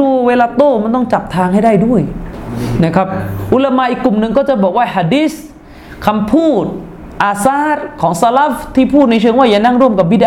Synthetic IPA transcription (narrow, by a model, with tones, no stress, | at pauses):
uː˧weː˧laː˧t̪oː˥˩ma˧˥˨nt̪ɔ˥˩ŋt͡ɕa˨˩p̚t̪ʰaː˧ŋha˥˩jda˥˩jdu˥˩əj | na˦˥˩kʰa˦˥p̚ʔu˧˥˩la˧maː˧ʔiː˨˩kːlu˨˩mnɯ˧ŋkɔː˥˩t͡ɕa˨˩bɔː˨˩k̚waː˥˩ha˧˩diː˦˥s | kʰa˧mpʰuː˥˩t̪̚ | ʔaː˧saː˥˩ɾ̚kʰɔː˩˦ŋsa˧la˦˥ft̪ʰiː˥˩pʰuː˥˩t̪̚na˧jt͡ɕʰɯ˧əŋwaː˥˩ja˨˩na˥˩ŋɾu˥˩əmka˨˩p̚bi˦˩ʔ